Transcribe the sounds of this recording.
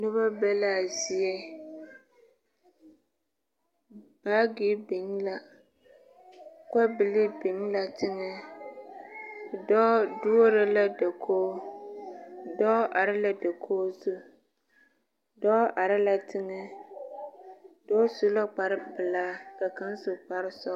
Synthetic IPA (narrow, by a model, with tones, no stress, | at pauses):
nʊ˦βa˦bɛ˦la˦˨zɪ˨ɛ˦ | baː˦ɡi˦bɪ˨ŋla˨ | ka˦bɪ˨lɪ˦bɪ˨ŋ˦la˨tɪ˦ŋɛ˦ | dɔː˦du˦o˦ɾa˦la˦da˨kʰoː˦ | dɔː˦ʔa˨ɾɪ˦la˦da˨kʰoː˦su˦ | dɔː˦ʔa˨ɾɪ˦la˦tʰɪ˦ŋɛ˦ | dɔː˦su˦la˦k͡pa˨ɾɪ˦bɨ˨laː˦ka˨ka˦n˦sʊ˨k͡pa˦ɾɪ˦sɔ˦